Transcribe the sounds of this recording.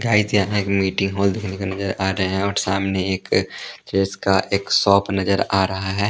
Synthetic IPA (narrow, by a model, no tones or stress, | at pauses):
ɡaːɪzjaɦɛ̃eːkmiːʈɪ̃ŋɡɦɔːld̪ekʰnekanɐzəɾaːɾɐɦeɦɛ̃ɔːɾsaːmneeːkt͡ʃeːzkaʔeːksɔːpnɐzəɾaːɾɐɦaɦɛː